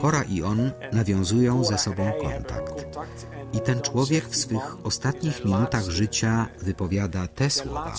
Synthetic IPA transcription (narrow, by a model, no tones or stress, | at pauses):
kɔɾaʔiɔnːavʲjɔ̃w̃zujɔ̃w̃zɛsɔbɔ̃w̃kɔ̰nt̪a̰kt̪ | it̪ɛnt͡ʂwɔvʲjɛkfsfɘxɔst̪at̪ɲixmʲinut̪aɣʐɘt͡ɕavɘpɔvʲjad̪at̪ɛswɔ̰va̰